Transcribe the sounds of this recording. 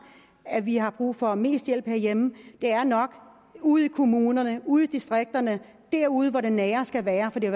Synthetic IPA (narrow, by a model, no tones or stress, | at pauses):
æʋiɦɑ̈b̥ʁṵːfɒ̽me̝̰ːsd̥jel̰b̥hḛɐjem̩d̥e̝æɐnɒ̽ɡ̥ | uð̞̩̰ˠikʰo̝muːnɐnəuð̞̩̰ˠid̥isd̥ʁeɡ̥̚d̥ɐnə | d̥æɐ̰uð̞̩ˠʋɒɾenːɛːɐsɡ̥æʋæːɐfɒ̽d̥i